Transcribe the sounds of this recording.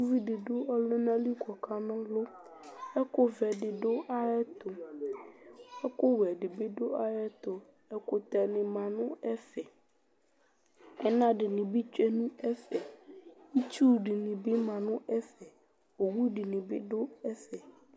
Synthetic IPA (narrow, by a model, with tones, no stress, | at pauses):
u˦vi˦ɖɪ˨ɖo˦ɔ˦le˦nã˦li˦kɔ˨ka˦nɔ̃˦lo˦ | ɛ˦ko˦vɛ˨ɖɪ˨ɖo˦ʔa˦ɛ˦t̪o˨ | ɛ˦ko˦wɛ˨ɖɪ˨be˦ɖo˦a˦ɛ˦t̪o˨ | ɛ˦ko˦t̪ɛ˨nɪ̃˨mã˨nʊ̃˦ɛ˦fɛ˨ | ɛ̰˦nã˦ɖɪ˨nĩ˨bi˦t͡ʃɛ˦nũ˦ɛ˦fɛ˨i˦t͡ʃu˦ɖi˨nɪ̃˨bɪ˦mã˨nʊ̃˦ɛ˦fɛ˨ | o˨wu˦ɖi˨nĩ˨bɪ˦ɖo˦ɛ˦fɛ˨